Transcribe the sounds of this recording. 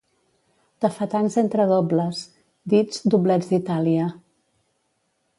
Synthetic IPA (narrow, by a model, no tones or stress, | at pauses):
t̪əfət̪anzent̪ɾəðɔbləs | d̪id͡zd̪uβlɛd͡zd̪it̪aliə